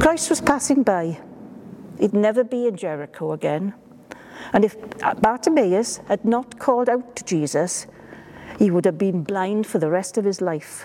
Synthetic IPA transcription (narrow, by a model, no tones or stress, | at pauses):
kʰɹ̥aɪst̚wz̥pʰasɪ̃ŋbaɪ | idⁿnɛvəbiɪ̃nd͡ʒɛɹɪkʰoʊəɡɛ̃n | ə̃nɪfb̥aˑtʰəmeɪəshədⁿnətkʰɔlˠdaʊtʰəd͡ʒiːzəs | hiwʊdəvbĩnblãɪ̃nd̥fəðəɹɛstəv̥ɪzlaɪf